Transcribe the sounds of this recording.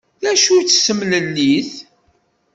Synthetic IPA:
ðæʃut͡sːsːəmnəlːiθ

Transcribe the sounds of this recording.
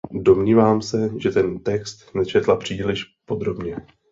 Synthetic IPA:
do̞mɲiːvaːmsɛʒɛt̪ɛnt̪ɛkst̪nɛt͡ʃɛt̪lapr̝̥iːlɪʃpo̞d̪ɾo̞bɲɛ

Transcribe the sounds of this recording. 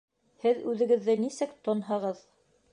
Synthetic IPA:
hɘðʉðɘ̆ɡɘ̆ðːɘnisɘkt̪ŏnɦɤ̆ʁɤð

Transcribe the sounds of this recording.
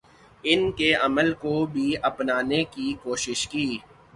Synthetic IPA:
ɪnkeɐməlkobʱiɐpnaːnekikoːʃɪʃkiː

